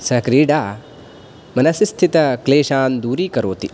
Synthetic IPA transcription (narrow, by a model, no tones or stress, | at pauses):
sɐkɾiːɖaː | mɐnɐsist̪ʰit̪ɐkleːʃaːnd̪uːɾiːkɐɾoːt̪i